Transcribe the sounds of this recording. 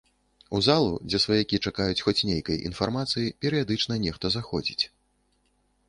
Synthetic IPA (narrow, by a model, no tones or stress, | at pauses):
uzalˠṵd͡zʲɛsvɐjakʲit͡ʂakajut͡sʲxɔt͡sʲnʲejkɐjʔḭn̪farmat̪sɨjipʲɛɾɨjad̪ɨt͡ʂnɐnʲɛxt̪ɐzaxɔ̰d͡zʲḭt͡sʲ